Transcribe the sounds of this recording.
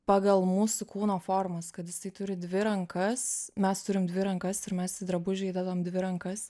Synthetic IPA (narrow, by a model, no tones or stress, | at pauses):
pɑːɡɐlˠmuːsʊkuːnoːfoːrmɐskɐt̪jɪsɐɪt̪ʊɾʲɪd̪ʲʋʲɪɾɐŋkɐsmʲɛst̪ʊɾʲɪmd̪ʲʋʲɪɾɐŋkɐsɪɾmʲɛsʲɪd̪ɾɐbʊʒʲɛːd̪ɛd̪ɐmd̪ʲʋʲɪɾɐŋkɐs